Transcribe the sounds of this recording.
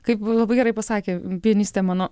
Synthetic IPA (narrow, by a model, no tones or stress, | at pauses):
kɐɪplˠɐbɐɪɡʲɛɾɐɪpɐsɑːkʲeːpʲiɛnʲisʲt̪ʲɛmɑːnoː